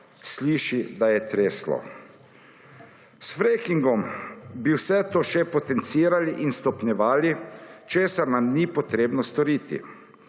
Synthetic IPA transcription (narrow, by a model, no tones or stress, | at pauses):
sliːʃid̪ajɛt̪ɾeːslɔ̰ | sfɾejkiŋɡɔmbiwsɛt̪oːʃɛpɔt̪ɛnt̪siːɾaliʔinst̪ɔpnjɛʋaːlit͡ʃeːsaɾnamnipɔt̪ɾeːbnɔst̪ɔɾiːt̪ḭ